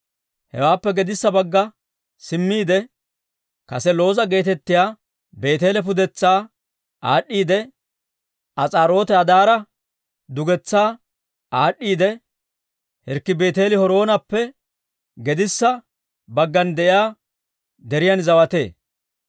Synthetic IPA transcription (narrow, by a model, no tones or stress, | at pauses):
hɛ̰waːpːɛɡɛd̪ɪsːɐbɐɡːɐ | sɪmːiːd̪ɛ | kɐsɛlo̞ːzɐɡe̞ːt̪ɛt̪ːɪjaː | be̞ːt̪e̞ːlɛp̬ʊd̪ɛt͡sːaː | aːɗːiːd̪ɛ | ʔɐt͡sʼaːɾo̞ːt̪ɛɐd̪aːɾɐ | d̪ʊɡɛt͡sːaː | ʔaːɗːiːd̪ɛ | hɛɾkːɪbe̞ːt̪e̞ːlɪhɔɾo̞ːnɐpːɛ | ɡɛd̪ɪsːɐ | bɐɡːɐnd̪ɛʔɪjaː | d̪ɛɾɪjɐnzɐwɐt̪e̞̰ː